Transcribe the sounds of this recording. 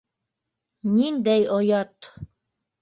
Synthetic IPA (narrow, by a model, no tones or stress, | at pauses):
nind̪æjojɑt̪